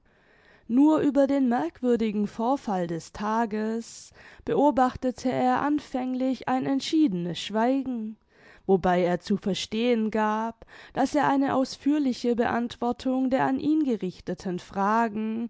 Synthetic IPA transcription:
nuːɐʔyːbɐdeːnmɛɐkv̥ʏɐdɪɡŋ̩foːɐfaldɛstʰaːɡəsb̥əʔoːbaχtətʰəeːɐʔanfɛŋlɪça̰ɪnɛntʃiːdənəsʃv̥aɪɡŋ̩ | vobaɪeːɐt͡sufɛɐʃteːənɡaːpd̥aseːɐʔaɪnəʔaʊsfyːɐlɪçəbəʔantv̥ɔɐtʰʊŋdeːɐanʔiːnɡəʁɪçtətʰənfʁ̥aːɡŋ̩

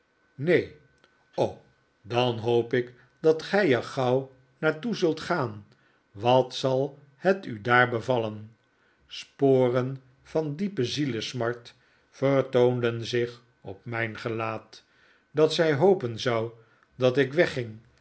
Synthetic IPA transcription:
nej | ow | dɑnɦowpɪk | dɑtχɛjɛɹχɑw | naːɹtuzɵlˠtχaːn | ʋɑtsɑlˠ | hətydaːɹbəvɑlən | spoːrən | v̥ɑndipəziləsmɑɹt | fəɹtowndənzɪχ | ɔpmɛjnχəlaːt | dɑtsɛjɦowpənzɑw | dɑtɪkʋɛχɪŋ

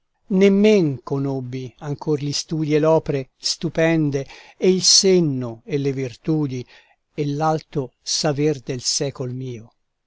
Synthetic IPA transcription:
nemːeŋkonobːiaŋkʰorlist̪uːd̪ielɔːpeɾest̪upɛnd̪eeilsenːoelevirt̪uːd̪i | elːalt̪osaverd̪elsɛːkolmiːo

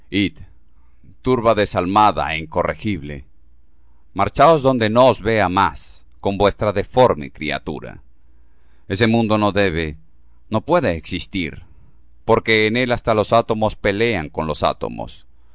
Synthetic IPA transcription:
it̪ | t̪uɾβaðe̞salmaða̰iŋko̞rexiβle̞̰ | maɾt͡ʃao̞zðo̞nd̪e̞no̞ːzβe̞amas | ko̞mbwe̞st̪ɾaðe̞fo̞ɾmḛkɾḭa̰t̪ṵɾa̰ | e̞se̞mũnd̪o̞no̞ðe̞βe | no̞pwe̞ðeːksist̪iɾ | po̞ɾke̞ːne̞last̪alo̞sat̪o̞mo̞spe̞le̞aŋko̞nlo̞sa̰t̪o̞̰mo̞̰s

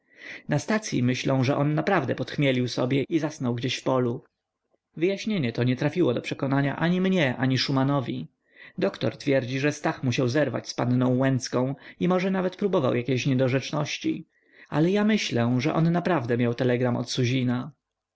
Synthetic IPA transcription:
nast̪at̪sʲjḭmɘɕlɔ̃w̃ʐɛʔɔnːapɾavd̪ɛpɔt̪xmʲjelʲiwsɔbʲjɛizasnɔwɡd͡ʑeɕfpɔlu | vɘjaɕɲeɲɛt̪ɔɲɛt̪ɾafʲiwɔd̪ɔpʂɛkɔnaɲa̰ʔaɲimɲɛʔa̰ɲiʂumanɔvʲi | d̪ɔkt̪ɔɾt̪fʲjɛɾd͡ʑiʐɛst̪axmuɕawzɛɾva̰t͡ɕspanːnɔ̃w̃wɛnt̪skɔ̃w̃imɔʐɛnavɛt̪pɾubɔva̰wjakʲeɕɲɛd̪ɔʐɛt͡ʂnɔɕt͡ɕḭ | a̰lɛjamɘɕlɛʐɛ̰ʔɔnːapɾavd̪ɛmʲjawt̪ɛlɛɡɾamɔ̰t̪suʑina

